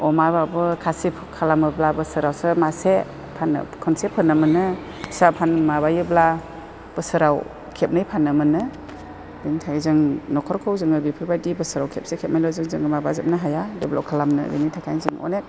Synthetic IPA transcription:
ɔmababɯkʰasipʰkʰalamɯblabɯsɯɾawsɯmase | pʰanɯ̰kʰɔnsepʰɯnːɯmɯnɯ | sapʰanmaβajɯbla | b̥ɯsɯɾaw | kʰep̚nɯjpʰanːɯmɯnɯ | biŋtʰaizɯŋnɔkʰɔɾkʰɯwzɯŋɯbipʰɯbajdibɯsɯɾawkʰep̚sekʰep̚najlɔzɯŋzɯŋɡɯmabazɯp̚naɦajadɯbla̰wkʰalamnɯ̰bḭnitʰakʰajzɯŋɔ̰nek̚

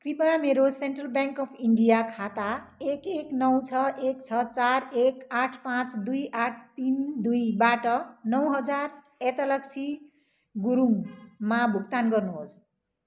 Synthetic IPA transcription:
kripameɾoseɳʈrʌlbjaŋkʌpʰiɳɖijakʰat̪aekeknʌwt͡sʰʌʔekt͡sʰʌt͡saɾekaʈʰpãt͡sd̪ujʔaʈʰt̪ind̪ujbaʈʌnʌwɦʌd͡zar | et̪ʌlʌksʰi | ɡuɾuŋmabʱukt̪anɡʌrnuɦos

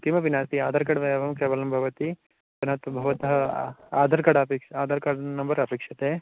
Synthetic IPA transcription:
kimɐʋinaːst̪iaːd̪ʱɐɾkɐɽʋɐjɐʋɐmkeːʋɐlɐmbʱɐʋɐt̪i | pɐnɐt̪ɐbʱɐʋɐt̪ɐɦɐaːd̪ʱɐɾkɐɽɐpekʃaːd̪ʱɐɾkɐɽnɐmbɐɾɐpeːkʂɐt̪e

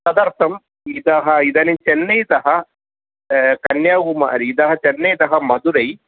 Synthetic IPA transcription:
sɐd̪ɐɾt̪ʰɐm | id̪ɐɦɐid̪ɐnit͡ʃɛnːɐjt̪ɐɦɐ | kɐnjaːɡuma̰ːɾiːd̪ɐɦɐt͡ʃɛnːɐjt̪ɐɦɐmɐd̪uɾɐj

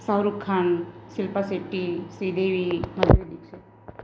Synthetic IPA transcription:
sawɾukʰːansilpasiʈːisid̪eːʋimɐd̪ʱʋed̪ikse

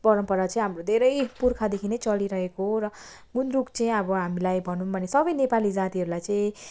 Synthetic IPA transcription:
pʌɾʌmpʌɾat͡sʌĩɦamrod̪ʱeɾʌjpurkʰad̪ekʰinet͡sʌliɾʌɦekoɦrʌ | ɡunrukt͡sʌĩʌbʌɦamilajbʱʌnunbʱʌnesʌbʌjnepalid͡zat̪iɦʌɾulajt͡saĩ

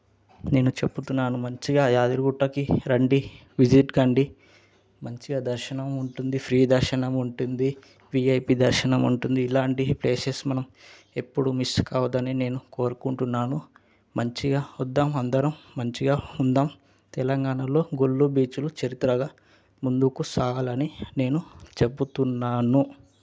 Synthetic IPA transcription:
ne̞ːnut͡ʃe̞pːut̪unːaːnumɐɲt͡ʃiɡaːjaːd̪iɾɡuʈːɐkiɾɐɳɖi | ʋid͡ʒiʈɡɐɳɖi | mɐɲt͡ʃiɡaːd̪ɐɾʃɐnɐmuɳʈund̪ipʰɾiːd̪ɐɾʃɐnɐmuɳʈund̪i | ʋiɐjpid̪ɐɾʃɐnɐmuɳʈund̪iːlaːɳʈiple̞ːsesmɐnɐm | e̞pːuɽumiskaːʋɐd̪ɐnine̞ːnuko̞ːɾukuɳʈunːaːnu | mɐɲt͡ʃiɡaːud̪ːaːmɐnd̪ɐɾɐmːɐɲt͡ʃiɡaːund̪aːm | t̪ɛlɐŋɡaːɳɐlo̞ːɡolːubiːt͡ʃulut͡ʃɐɾit̪ɾɐɡaː | mund̪ukusaːlɐnine̞ːnut͡ʃe̞but̪unːaːnu

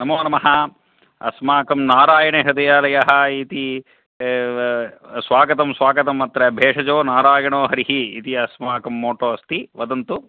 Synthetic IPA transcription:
nɐmoːnɐmɐɦɐ | ɐ̰smaːkɐmnaːɾaːjɐɳeɦɐd̪ɐjaːlɐjaɦɐ̆it̪i | sʋaːɡɐt̪ɐmsʋaːɡɐt̪ɐmɐt̪ɾɐɐbʱeːʂɐd͡ʒoːnaːɾaːjɐɳoːɦɐɾiɦiːt̪iɐsmaːkɐmːoːʈoːɐst̪iʋɐd̪ɐnt̪u

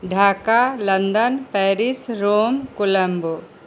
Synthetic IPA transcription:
ɖʱaːkalɐnd̪ənpɛːɾisɾoːmkʊlɐmbo

